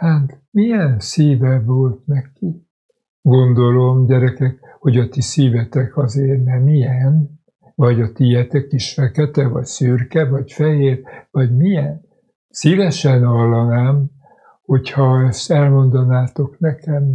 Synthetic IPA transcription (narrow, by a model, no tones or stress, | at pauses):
haːt̪mijɛnsiːvɛvolt̪nɛki | ɡo̞nd̪o̞lo̞mɟɛɾɛkɛk | ho̞ɟɒt̪isiːvɛt̪ɛkɒzeːrnɛmijɛn | vɒɟɒt̪ijɛt̪ɛkiʃfɛkɛt̪ɛvɒ̰csyrkɛvɒcfɛɦeːrvɒɟmijɛn | sivɛʃɛnɒlːɒnaːm | hochɒɛst̪ɛlmo̞nd̪ɒnaːt̪o̞knɛkɛm